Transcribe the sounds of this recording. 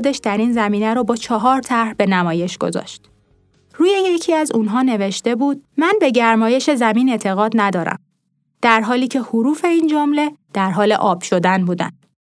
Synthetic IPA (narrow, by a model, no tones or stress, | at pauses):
d̪eʃd̪æɾiːnzæmiːnæɾɔbɒːt͡ʃʰɒɦɒːɾt̪ʰæɾbe̞næmɒːje̞ʃɡ̥o̞̰zɒ̰ːʃt̪ | ruːjeje̞cʰiːæzunɦɒːne̞ve̞ʃt̪e̞buːd̪̥̚mænbe̞ɟæɾmɒːje̞ʃe̞zæmiːne̞t̪ʰe̞ɣɒːd̪næd̪ɒːɾæ̰m | d̪̥æɾɦɒːliːcʰe̞huɾuːfe̞iːnd͡ʒomle̞d̪̥æɾɦɒːle̞̰ʔɒːb̥ʃo̞d̪ænbuːd̪æ̰n